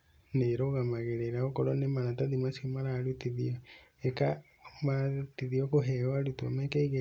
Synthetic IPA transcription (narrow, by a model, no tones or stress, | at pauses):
neɾoɣamaɣeɾeɾaɣokɔɾɔnemaɾataðimasimaɾaɾutiðiɔ | eka | matiðiɔkoɦɛwaɾutɔmɛkɛiɣe